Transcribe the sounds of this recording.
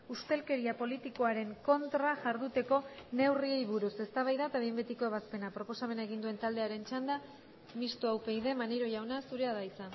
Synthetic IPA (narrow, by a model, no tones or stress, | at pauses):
ust̪e̞lke̞ɾiapo̞lit̪iko̞aɾe̞ŋko̞nt̪ɾaʝaɾðut̪e̞ko̞ne̞wrie̞jβuɾuse̞st̪aβajðaet̪aβejmbe̞t̪iko̞eβaspe̞napɾo̞po̞same̞naeɣ̞ind̪ue̞nt̪ald̪e̞aɾe̞nt͡ʃand̪a | mist̪uawpe̞jðe̞maneɾo̞ʝawnasuɾe̞aðaisan